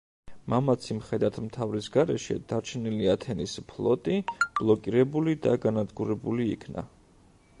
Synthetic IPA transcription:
mamat̪sʰimχɛd̪at̪ʰmt̪ʰavɾisɡaɾɛʃɛ̰d̪̥aɾt͡ʃʰɛniliat̪ʰɛnispʰlˠɔt̪ʼib̥lˠɔkʼiɾɛbulid̪aɡanad̪ɡuɾɛbulḭːkʰna̰

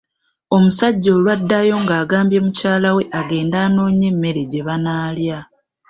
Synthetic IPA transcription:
o̞musaɟːo̞lwadːajo̞ŋɡaːɡaːmbje̞mucaːlawe̞ʔaɡe̞ːndaːno̞ːɲe̞mːe̞ɾeɟe̞βanaːlja

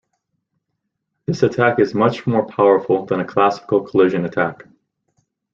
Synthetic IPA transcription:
ðɪsɨtʰækɨzmʌt͡ʃmɔɹpʰaʊə˞fl̩ˠðə̃ñɨkʰl̥æsə̥kl̩ˠkʰəlʉʒɨ̃nɨtʰæk

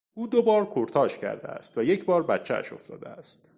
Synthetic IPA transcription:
ʔuːd̪obɒːɾkʰoɾt̪ʰɒːʃcʰæ̰ɾd̪eæ̰st̪væje̞cʰbɒːɾbæt̪t͡ʃʰːæ̰æ̰ʃo̞̰ft̪ɒ̰ːd̪eæst̪

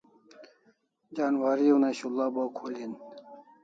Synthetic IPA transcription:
d͡ʑaːnwaɾionaɕulːaːbaːkʰoːlin

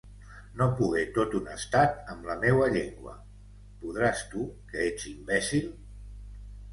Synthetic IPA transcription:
nopuɣet̪ot̪unəst̪at̪əmləmewəʎeŋɡwə̰ | puð̞ɾast̪ukəet͡simbɛsil

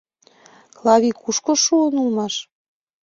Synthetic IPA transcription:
klɑβikuʃkoʃuənulmɑʃ

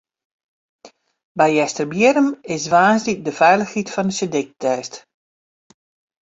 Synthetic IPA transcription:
bɛjɛstərbjɪɾəmɪsʋaːsdik̚dəfɛjləxhitfɔndəsədɪk̚tʰɛːst

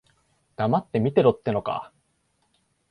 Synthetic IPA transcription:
d̪̥amat̪ːe̞mʲit̪e̞ɾot̪ːe̞no̞ka̰

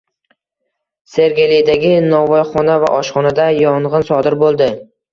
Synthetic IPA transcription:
se̞ɾɡʲelijd̪aɡʲɪnɒvɒjχɒnava̰ʔɒʃχɒnad̪ajɒɴʁɨnsɒd̪ɪɾbolˠd̪ɪ

